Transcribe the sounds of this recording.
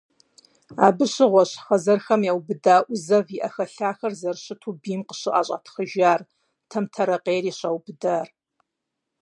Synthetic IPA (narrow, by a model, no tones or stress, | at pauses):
a̰ːbɨɕɪʁʷɔɕχɐzɐrxɐmjaːwbɨdaːʔʷʊzɐviʔɐxɐɬaːxɐrzɐrɕɨtʰuːbiːmqə̥ɕɪʔʼa̰ːɕʼa̰tʰxəʒaːr | tʰɐmtʰɐɾɐqʼeːɾiːɕaːwbɨdaːr